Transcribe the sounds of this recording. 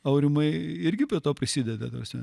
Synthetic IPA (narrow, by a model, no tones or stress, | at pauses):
ɐʊɾʲɪmɐɪɪɾʲɡʲɪpʲɾʲiɛt̪oːpʲɾʲɪsʲid̪ʲɛd̪ɐd̪ɐʋɐsʲmʲɛ